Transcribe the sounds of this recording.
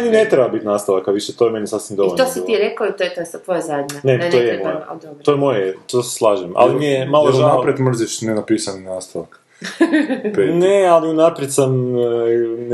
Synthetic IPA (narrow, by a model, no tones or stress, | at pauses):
nine̞t̪ɾebabit̪naːst̪aʋakaʋiʃet̪ojemenisasʋimd̪oolt̪osiiiɾekaoit̪ojet̪ojest̪ʋojazad̪ɲanet̪ojemojḛd̪obt̪o̞jemojet̪ose̥slˠaːʒemʔa̰limiemaloʒapɾet̪mr̩ziʃnenapisaninaːst̪aʋak | pnealiunapɾjet̪sam | n